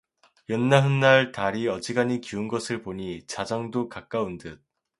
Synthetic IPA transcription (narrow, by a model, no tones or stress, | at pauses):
jʌnːaɦɯnːaɭtaɾiʌd͡ʑiɡaɲikiunɡʌsʰɯɭpoɲit͡ɕad͡ʑʌŋdokak͈aundɯt̚